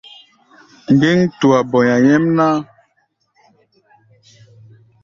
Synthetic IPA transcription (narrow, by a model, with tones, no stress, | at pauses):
ŋ˨ɡe˦ŋtu˨a˨bɔ˨ɲa˨jɛ˦mna˦